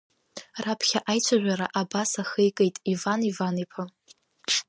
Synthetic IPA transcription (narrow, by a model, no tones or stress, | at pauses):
rapʰχʲaʔajt͡ɕʷʰaʒᶣʷaɾaʔabasaχejkʼejtʼivanivanipʰa